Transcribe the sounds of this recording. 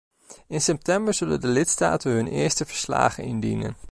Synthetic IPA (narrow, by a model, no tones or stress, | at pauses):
ɪnsɛp̚tɛmbəɹz̥ɵlə̰ndəlɪtsta̰ːtənɦɵnɪːɹstəvəɹsla̰ːχənɪndinə̰n